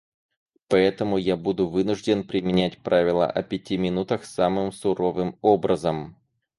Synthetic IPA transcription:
pɐɛt̪əmʊjabud̪ʊvɨnʊʐdʲɪnpɾʲɪmʲɪnʲætʲpɾʔavʲɪlˠə̰ʔɐpʲɪtʲimʲɪnut̪əxsamɨmsʊɾo̞vɨmobɾəzəm

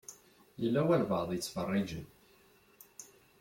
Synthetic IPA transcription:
jəlːæwælvɑðˤjət͡sːfərˤːɪd͡ʒən

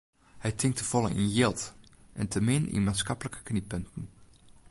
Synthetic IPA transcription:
hɛjtʰɪŋk̚təv̥ɔlˠə̰nʔḭnjɪlˠtʔɛ̰ntʰəmɪnḭnmaːnsxɑpələkə̥knipøntən̩

